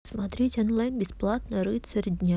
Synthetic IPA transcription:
smat̪ɾʲetʲonlˠajnbʲɪsplˠat̪nəɾɨt̪ʲsəɾʲɪd̪ʲnʲa

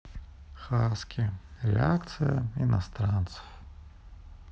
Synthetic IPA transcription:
xaskʲiɾʲɛ̰akt̪sɨjɐinast̪ɾant̪sɨ̥f

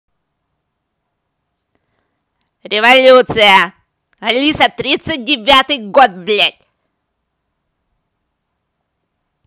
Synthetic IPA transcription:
ɾʲɪvɐlʲut̪sɨjɐ | ɐlʲisɐt̪ɾʲit̪sɨt̚ʲdʲɪvʲat̪ɨjɡot̪̚blʲat̚ʲ

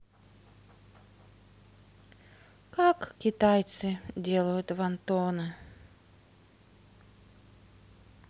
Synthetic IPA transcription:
kakkʲɪt̪ajt̪sɨdʲelˠəjʊt̪vɐnt̪onɨ

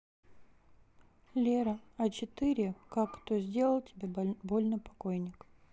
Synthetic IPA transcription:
lʲeɾəɐt͡ɕɪt̪ɨɾʲɪkakːt̪ozʲdʲelˠəlˠtʲɪbʲebolʲnəpɐkojnʲɪk

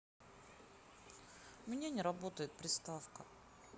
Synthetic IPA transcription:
mnʲanʲɪɾɐbot̪əjɪt̪̚pɾʲɪst̪afkə

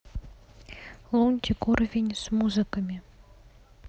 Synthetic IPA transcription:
lˠunʲt̪ʲikurvʲenʲsmuzɨkəmʲi

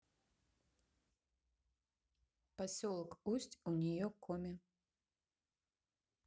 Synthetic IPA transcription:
pasʲɔlˠɐkusʲt͡sʲunʲɛjɔkɔmʲɛ

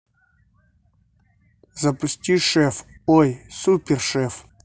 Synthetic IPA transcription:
zɐpʊsʲtʲiʂɛfɔjsupʲerʂɛf

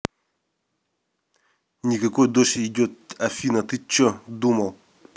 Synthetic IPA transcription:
nʲɪkɐkojd̪oʂɪɪdʲot̪̚ɐfʲinɐt̪ɨt͡ɕːod̪umɐlˠ

